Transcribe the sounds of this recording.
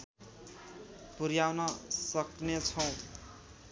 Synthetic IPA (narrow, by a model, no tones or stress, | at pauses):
puɾjawnʌsʌknet͡sʰʌw̃